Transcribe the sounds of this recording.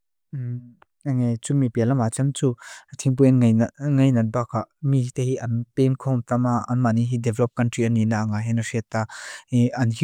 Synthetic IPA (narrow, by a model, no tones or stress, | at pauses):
aŋejt͡suŋmipilamat͡sɛmt͡sut̪ʰiŋp̬ujɛnjŋajnɐt̪̚bakʰaʔmiɦit̪eɦiʔɐnpenkʰɔmt̪amaɐnmaniɦidɛvlɔp̚kɐntɾiʔanːinaʔŋaɦɛnasit̪ːaiɐnɦi